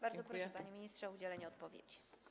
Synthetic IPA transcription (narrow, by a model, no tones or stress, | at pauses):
baɾd̪zɔpɾɔʂɛpaɲimʲiɲistʂɛud͡ʑɛlɛɲɛɔt̪pɔvʲjḛt͡ɕi̥